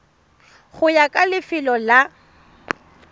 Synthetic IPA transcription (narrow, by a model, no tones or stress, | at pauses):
ɣʊjakʼalɪfɪlɔla